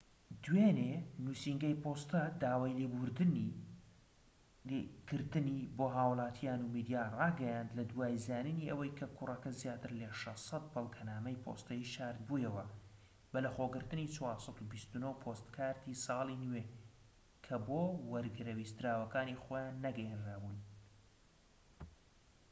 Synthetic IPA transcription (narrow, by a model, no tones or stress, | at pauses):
d̪weːnenusiŋɡɐjpʰoːst̪ɐd̪aːwaːjliɡuɾd̪ɨni | kɨɾt̪ɨniboːɦaːwlˠɑːt̪ʰijaːnumid̪ijaːrɑːɡɐjand̪lɐd̪waːjzaːnɨniʔɐwɐjkʰɐkʰʊrɐkɐzjaːt̪ɨɾlɐʃɐsɑt̪̚bɨlˠkʰɐnaːmɐjpʰo̰st̪ɐjiʃaːɾd̪̚bujɐwɐ | bɐlɐχoːɡɨɾt̪ɨniːt͡ʃʰwɑːɾsˤɑt̪ubist̪unowpʰost̪kʰaːɾt̪isɑːlˠinwe | kʰɐboːwɐɾɡɨɾɐwist̪ɾaːwɐkaːniχoːjanːɐɡɛjenraːbuːn